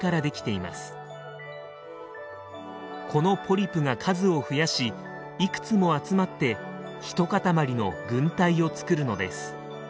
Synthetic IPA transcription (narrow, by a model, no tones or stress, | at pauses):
kaɾad̪e̞kʲi̥t̪e̞ima̰sɨ̥ | kʰo̞no̞pʰo̞ɾʲipɯ̟ɡakʰazɨo̞ɸɯ̟jaɕi | ikɯ̟̥t͡sɨmo̞at͡sɨmat̪ːe̞ | çi̥t̪o̞kat̪amaɾʲino̞ɡɯ̟̃nt̪aio̞t͡sɨ̥kɯ̟ɾɯ̟no̞d̪e̞̰sɨ̥